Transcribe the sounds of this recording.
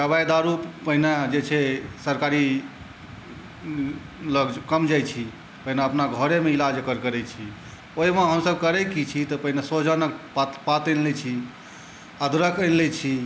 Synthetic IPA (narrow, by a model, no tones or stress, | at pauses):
ɾəbajd̪aɾuppəɦinad͡ʒet͡ʃʰɛsəɾkaɾi | ləɡd͡ʒkəmd͡ʒajt͡ʃʰi | pəɦinaəpnaɡʱəɾemeilad͡ʒkəɾkəɾɛt͡ʃʰi | oimãɦəmsəbkəɾɛkit͡ʃʰit̪ɔpəɦinesod͡ʒənəkpt̪pat̪ənlɛt͡ʃʰi | ad̪ɾəkənlɛt͡ʃʰi